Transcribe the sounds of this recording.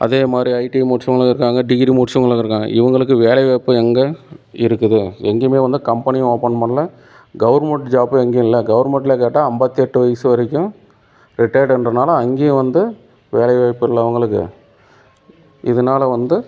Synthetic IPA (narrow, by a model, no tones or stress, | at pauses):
ʔɐ̰ðeːmaːd̪ɾiɐɪʈimʊʈt͡ʃɐŋɡɐɭɐɪɾɯkːaːŋɡɐɖiɡɾimʊʈʂɐŋɡɐɭɐɪɾɯkːaːŋɡɐ̰ɪʋɐŋɡɐɭɯkːɯʋeːlɐʋeːpːɯɛŋɡɐɪɾɯkːɯðɯɛŋɡemeːʋɐnd̪ɯkɐmpɐnɪ̃oːpːɐɳmɐnɐlɐ | ɡɐʋɐɾmɛɳʈd͡ʒaːpɯɛŋɡeʊ̃ɪlːɐɡɐʋɐɾmɛɳʈ̬ɪlekeːʈːaːɐmbɐt̪ːɪɛʈːɯʋɐjɐsɯʋɐɾɛkʲːʊ̃ | ɾɪʈɐɪɾɖɛndrɐnaːlɐɐŋɡẽːʋɐnd̪ɯ | ʋeːlɐʋeːpːɪlːɐɐʋɐŋɡɐɭɯkːɯ̰ | ɪðɐnaːlɐʋɐnd̪ɯ